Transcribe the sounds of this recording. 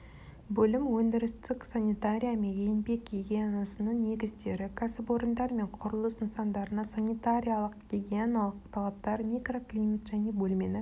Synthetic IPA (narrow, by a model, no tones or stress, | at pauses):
bɵlɪmwɵnd̪ɪɾɪst̪ɪksanʲit̪aɾʲijamenjejnbe̞kɡʲeɡʲeanasənəɴne̞ɡʲɪzd̪e̞ɾɪkʰasɪpo̞ɾənd̪ɑɾme̞ɴqʰʊɾəlˠəsʊnsɑnd̪ɑɾənɑsanit̪aɾʲijalˠəqɡ̥ʲeɡʲeanalˠəqt̪ʰɑlˠɑp̚t̪ɑɾmikro̞klʲijmat̪ʒ̥æne̞bɵlme̞nɪ